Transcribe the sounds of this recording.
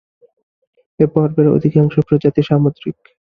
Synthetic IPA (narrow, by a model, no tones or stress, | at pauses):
ebɔɦaɾbeɾo̰d̪ʱikaŋʃopɾod͡ʑat̪iʃamod̪ɾik